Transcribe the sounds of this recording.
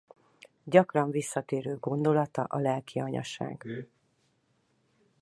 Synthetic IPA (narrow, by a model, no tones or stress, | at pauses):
ɟɒkrɒɱvisːɒt̪eːɾøːɡo̞nd̪o̞lɒt̪ɒʔɒlɛlkiɒɲɒ̰ʃa̰ːɡ̥